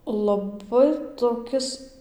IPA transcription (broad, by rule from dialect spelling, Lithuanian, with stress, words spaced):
lˠɐˈbɐɪ toːˈkʲɪs